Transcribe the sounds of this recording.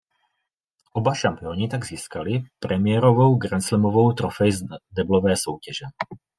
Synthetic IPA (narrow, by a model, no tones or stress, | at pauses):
ʔɔbaʃampɪɔːɲit̪aɡziːskalipɾɛmɪɛɾɔʋɔʊɡɾɛnslɛmɔʋɔʊt̪ɾɔfɛjzd̪ɛblɔʋɛːsɔʊcɛʒɛ